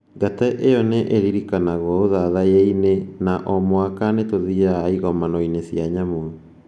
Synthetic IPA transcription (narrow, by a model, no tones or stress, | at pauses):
ɡatɛʔeɔneʔeɾiɾikanaɣwɔoðaðajeinenaʔɔmwakanetoðiaiɣɔmanɔinesjaɲamo